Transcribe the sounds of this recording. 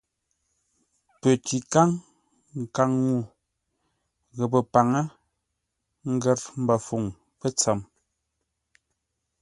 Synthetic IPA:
pə˨ti˨ka˦ŋ | ŋ̩˨ka˦ŋːu˦˨ | ɣə˨pə˨pa˨ŋə˦ | ŋ̩˦ɡɛ˦ɾm̩˦ba˨fu˨ŋ | pə˦t͡sa˨m

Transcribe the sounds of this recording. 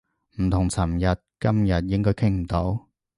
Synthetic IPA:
m̩˨˩t̪ʰʊ˨˩ŋsɐ˨˩mjɐ˨t̚kɐ˥mjɐ˨t̚jɪ˥ŋkɔː˥jkʰɪ˥ŋm̩˨˩t̪o˨˥w

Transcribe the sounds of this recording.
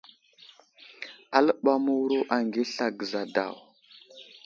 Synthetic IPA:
a˦lə˦ɓa˦mu˦wɾo˦ʔa˨ŋɡi˦ɬa˨ɡə˨za˨da̰˨w

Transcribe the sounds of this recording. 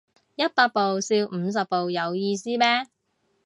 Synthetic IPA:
jɐ˥t̚paː˧k̚po˨wsiː˧wm̩ː˨˧s̬ɐ˨p̚po˨wjɐ˨˧wjiː˧siː˥mɛː˥

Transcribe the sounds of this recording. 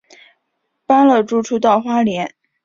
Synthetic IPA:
pa˥nlɤ˥˩ʈ͡ʂu˥˩ʈ͡ʂʰu˥t̪ɑ˥˩ʊxwa˥ljɛ˧˥n

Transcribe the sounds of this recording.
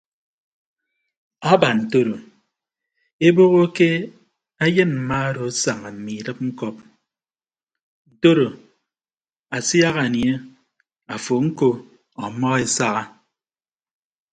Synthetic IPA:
a˦ba˨n̩˨to˦ɾo˨ | e˦bo˦ɣo˦ke˦ | a˦jɨ˦nm̩˨ma˦ɾo˨˦sa˨ŋa˨m̩˨mi˨ɾɨ˦p̚ŋ̩˦kɔ˦p̚ | to˦ɾo˨ | a˨sja˦ɣa˨nje˦ | a˨fo˨ŋ̩˦ko˦ | ɔ˨mɔ˦ɣe˦sa˦ɣa˦

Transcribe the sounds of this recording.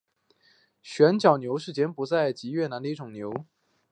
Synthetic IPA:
ɕɥɛ˧˥nt͡ɕjɑ˨˩ʊnjo˧˥ʊʂ̬ɻ̩˥˩t͡ɕjɛ˧˥npu˧˥t͡sa˥˩ɪt͡ɕi˧˥ɥɛ˥˩na˧˥nd̪ə˧i˥˧ʈ͡ʂʊ˨˩ŋnjo˧˥ʊ

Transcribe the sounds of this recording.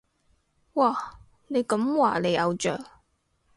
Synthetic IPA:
waː˨˩ | ne˨˧jkɐ˨˥mwaː˨˩ne˨˧ɐ˨˧wt͡ʃœː˨˩ŋ̚

